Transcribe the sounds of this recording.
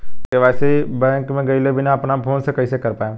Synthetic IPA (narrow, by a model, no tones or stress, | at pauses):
keʋɛːsebɛ̃ːŋkmẽɡɐilebɪnaɐpnapʰoːnsekɐisekɐɾpaːẽ